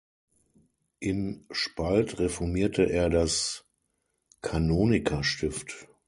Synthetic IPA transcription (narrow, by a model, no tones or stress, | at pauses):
ʔɪmʃpaltʁefɔɐmiːɐtʰəʔeːɐdas | kʰanoːnɪkʰɐʃtɪft